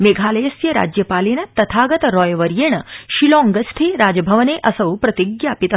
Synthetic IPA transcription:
meɡʱaːlɐjɐsjɐɾa̰ːd͡ʑjɐpaːleːnɐt̪ɐt̪ʰaːɡɐt̪ɐɾɔːjʋɐɾjeɳɐʃilɔ̃ŋɡɐst̪ʰeːɾaːd͡ʒɐbʱɐʋɐneʔɐsɐwpɾɐt̪iɡjaːpit̪

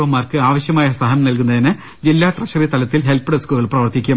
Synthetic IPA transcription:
ʋɐmːaːrkɨaːʋɐɕjɐmaːjɐsɐɦɐnɐmnɐlkunːɐðinɨ | d͡ʑilːaːʈrɐɕɐrit̪ɐlɐt̪ːilɦelpːɨɽɐskuːilprɐʋɐrt̪ikʲːum

